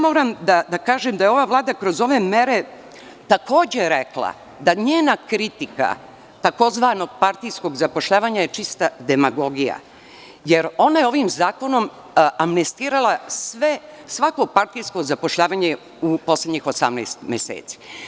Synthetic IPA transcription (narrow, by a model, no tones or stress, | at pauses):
mo̞ɾamd̪ad̪akaːʒemd̪ajeo̞ʋaːʋlˠaːd̪akɾo̞zo̞ʋe̞me̞ɾe̞ | t̪ako̞ːd͡ʑeɾeklˠa̰ | d̪aɲeːnakɾit̪ika̰ | t̪ako̞zʋaːno̞ɡ̥̚paɾt̪ijsko̞ɡzapo̞ʃʎaːʋaɲaje̞t͡ʃist̪ad̪emaɡo̞ɡija̰ | jeɾo̞najeo̞ʋimzaːko̞no̞m | amnest̪iːɾalˠasʋe | sʋako̞ɡ̚paɾt̪ijsko̞ɡzapo̞ʃʎaːʋaɲe | upo̞slˠed̪ɲixo̞sa̰mnḛjst̪mesḛːt̪si̥